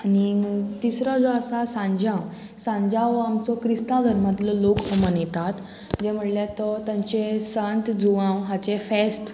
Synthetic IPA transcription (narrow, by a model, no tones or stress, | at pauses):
anit̪isɾɔd͡zɔasasãɲd͡ʑãw | sãɲd͡ʑãʋamt͡sɔkɾist̪ãd̪ʱəɾmad̪ʱlɔlokəmənet̪at̪ | d͡ʑem̤əɽlɛt̪ɔt̪jãɲt͡ɕesənt̪d͡zuʋãwɦat͡ɕefest̪